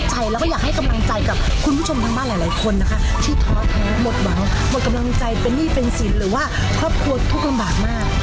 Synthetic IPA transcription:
t͡ɕa˧jlɛː˦˥wkɔː˥˩jaː˨˩k̚ha˥˩jka˧mla˧ŋt͡ɕa˧jka˨˩p̚kʰu˧npʰu˥˩o˧mt̪ʰa˧ŋbaː˥˩laː˨˦jlaː˨˦jkʰo˧nːa˦˥kʰa˦˥ | t̪ʰiː˥˩t̪ʰɔː˦˥t̪ʰa˨˦ŋmo˨˩t̪̚wa˨˩˦ŋ | mo˨˩t̚ka˧mla˧ŋt͡ɕa˧jpe˧nːiː˥˩pe˧nsi˩˦nɾɯː˩˦waː˥˩ | kʰɔː˥˩p̚kʰu˧ɐt̪ʰu˦˥k̚la˧mbaː˨˩t̪̚maː˥˩k̚

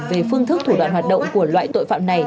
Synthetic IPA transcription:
ve˨˩fɨ˧əŋt̪ʰɨ˦˥k̚t̪ʰu˧˩ɗwa̰ː˧˨nhwaː˨˩t̚ɗə̰˧˨wŋ͡mku˧˩əlwa̰ː˧˨jt̪o̰˧˨jfa̰ː˧˨mna˨˩j

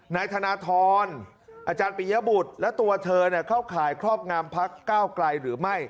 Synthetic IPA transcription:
naː˧jt̪ʰa˧naː˧˥t̪ʰɔː˧n | ʔaː˧t͡ɕaː˧npi˨˧˦ja˦˥bu˨˩t̪̚lɛ˦˥wt̪u˧ɐt̪ʰɤː˧ni˥˩ɐkʰa˥˩wkʰaː˩˦jkʰɾɔː˥˩p̚ŋaː˧mpʰa˦˥kːaː˥˩wkla˧jɾɯː˩˦ma˥˩j

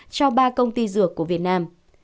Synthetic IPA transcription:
t͡ɕɔ˧ɓaː˧kə˧wŋ͡mt̪i˧zɨ˧˩əkːu˧˩əvi˨˩ət̚naː˧m

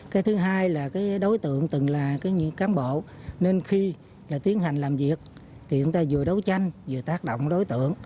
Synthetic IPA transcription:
kaː˨˦jt̪ʰɨ˨˦ɦaː˧jlaː˨˩kaː˨˦jɗo˨˦jt̪ɨ̰˧˨əŋt̪ɨ˨˩ŋlaː˨˩kaː˨˦jɲɨ˧˥kaː˨˦mɓo̰˧˨ne˧nxi˧ | laː˨˩t̪i˨˦ənɦa˨˩jŋ̟laː˨˩mvi˨˩ək̚ | t̪ʰi˨˩t͡ɕʊ˨˦ŋ͡mt̪aː˧zɨ˨˩əɗə˨˦wt͡ɕa˧jŋ̟zɨ˨˩ət̪aː˦˥k̚ɗo̰˧˨wŋ͡mɗo˨˦jt̪ɨ̰˧˨əŋ

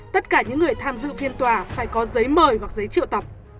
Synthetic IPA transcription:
t̪ə˦˥t̚kaː˧˩ɲɨ̰˧˥ŋːɨ˨˩əjt̪ʰaː˧mzɨ̰˧˨ŋfi˧nt̪waː˨˩faː˧˩jkɔ˨˦zə˨˦jməː˨˩jwa˨˩k̚zə˨˦jt͡ɕḭ˧˨ə˨wt̪ə˨˩p̚

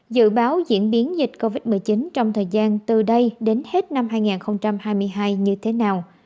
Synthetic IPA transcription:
zɨ̰˧˨ɓaː˨˦wzḭ˧˥ənɓi˨˦ənzï˨˩k̟̚ko˧vi˦˥t̚mɨ˨˩jt͡ɕi˨˦nt͡ɕɔ˧wŋ͡mt̪ʰəː˨˩jzaː˧nt̪ɨ˨˩ɗə˧jɗe˨˦nhe˦˥t̚na˧mhaː˧jŋaː˨˩nxə˧wŋ͡mt͡ɕa˧mhaː˧jmɨ˧əjɦaː˧jɲɨ˧t̪ʰe˨˦naː˨˩w

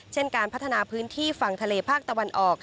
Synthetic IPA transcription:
t͡ɕʰe˥˩nkaː˧npʰa˦˥t̪ʰːa˧naː˧pʰɯː˦˥nt̪ʰiː˥˩fa˨˩ŋt̪ʰa˧leː˧pʰaː˥˩k̚t̪a˧wa˧nʔɔː˨˩k̚

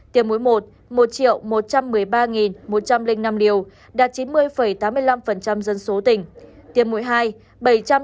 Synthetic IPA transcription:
t̪i˨˩əmṵ˧˥jmo˨˩t̚ | mo˨˩t̚t͡ɕḭ˧˨əwmo˨˩t̚t͡ɕa˧mːɨ˨˩ə˩jɓaː˧ŋi˨˩nmo˨˩t̚t͡ɕa˧mlï˧ŋ̟na˧mli˧əw | ɗaː˨˩t̚t͡ɕi˨˦nmɨ˧əjfə˧˩jt̪aː˨˦mːɨ˧əjla˧mfə˨˩nt͡ɕa˧mzə˧nso˨˦t̪ï˨˩ŋ̟t̪i˨˩əmṵ˧˥jɦaː˧j | ɓə˧˩jt͡ɕa˧m

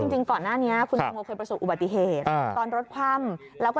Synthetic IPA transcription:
t͡ɕi˧ŋt͡ɕi˧ŋkɔː˨˩nːaː˥˩ni˦˥ɐkʰu˧na˧ŋoː˧kʰɤː˧jpɾa˧soː˨˩ʔu˨˩ba˨˩t̪ːi˨˩ɦeː˨˩t̪̚ʔːt̪ɔː˧nɾo˦˥t̪̚kʰwa˥˩m | lɛː˦˥wkː

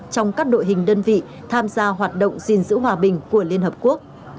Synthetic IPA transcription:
t͡ɕɔ˧wŋ͡mkaː˦˥k̚ɗo̰˧˨jɦï˨˩ŋ̟ɗəː˧nvḭ˧˨ | t̪ʰaː˧mzaː˧ɦwaː˨˩t̚ɗə̰˧˨wŋ͡mzi˨˩nzɨ̰˧˥ɦwaː˧ɓï˨˩ŋ̟ku˧˩əli˧ənhəː˨˩p̚ku˦˥ək̚

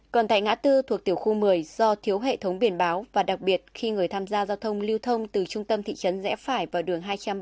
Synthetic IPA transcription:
kɔ˨˩nt̪a̰˧˨jŋa̰ː˧˥t̪ɨ˧t̪ʰu˨˩ək̚t̪i˧˩əwxu˧mɨ˨˩əjzɔ˧t̪ʰi˨˦əwɦḛ˧˨t̪ʰə˨˦wŋ͡mɓi˧˩ənɓaː˨˦wvaː˨˩ɗa˨˩k̚ɓi˨˩ət̚xi˧ŋɨ˨˩əjt̪ʰaː˧mzaː˧zaː˧wt̪ʰə˧wŋ͡mli˧əwt̪ʰə˧wŋ͡mt̪ɨ˨˩t͡ɕʊ˧ŋ͡mt̪ə˧mt̪ʰḭ˧˨t͡ɕə˨˦nzɛ̰˧˥faː˧˩jvaː˨˩wɗɨ˨˩əŋɦaː˧jt͡ɕa˧m

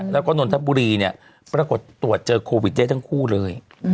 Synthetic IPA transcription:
lɛ˦˥wkɔ˥˩no˧nt̪ʰa˦˥buː˧ɾiː˧ni˥˩ɐ | pɾaː˧ko˨˩t̪ːu˨˩ət̪̚t͡ɕɤː˧kʰoː˧wi˨˩t̪̚da˥˩jt̪ʰa˥ŋkʰuː˥˩lɤː˧j

